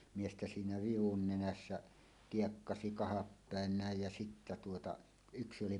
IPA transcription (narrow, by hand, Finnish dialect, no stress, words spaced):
miestæ siːnæ ʋiʋun nenæsːæ kiekːɑsi kɑhɑpːæˑen næˑej jæ sitːæ tuotɑ yksi oli